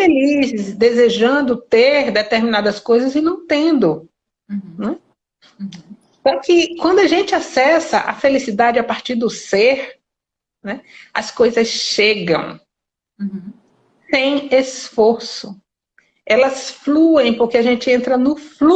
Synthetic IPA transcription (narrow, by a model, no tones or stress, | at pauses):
felizɪsd̪ezeʒɐ̃nd̪ʊt̪eɾd̪et̪eɾmĩnad̪ɐskojzɐzɪnɐ̃w̃t̪ẽnd̪ʊ | nɛ | sɔkɪkwɐ̃nd̪ʊɐʒẽnt͡ʃɪasɛsɐʔɐ̰felisid̪ad͡ʒɪapaɾt͡ʃiɾd̪ʊseɾ | nɛɐskojzɐsʃeɡɐ̰̃w̃ | sẽj̃esfoɾsʊ | ɛlɐsfluẽj̃poɾkeaʒẽnt͡ʃɪẽnt̪ɾɐnʊflu